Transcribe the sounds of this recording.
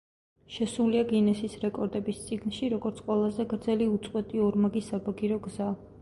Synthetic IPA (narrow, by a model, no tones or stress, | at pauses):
ʃɛsuliaɡinɛsisɾɛkʼɔɾd̪ɛbist̪sʼiɡnʃiɾɔɡɔɾt̪sʰqʼwɛlˠazɛɡɾd̪zɛliut̪sʼqʼwɛt̪ʼiɔɾmaɡisabaɡiɾɔɡza